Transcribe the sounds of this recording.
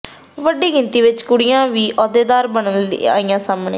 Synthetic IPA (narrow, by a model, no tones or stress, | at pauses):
ʋəɖiːɡɪnt̪iːʋɪt͡ʃkʊɽijãːʋiːʔɔːd̪eːd̪aːɾbəɳəla̰ːiːjãːsaːmɳḛː